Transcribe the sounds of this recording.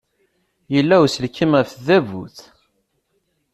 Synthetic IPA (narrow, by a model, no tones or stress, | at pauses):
jəlːæwsəlkːimæfðævṵθ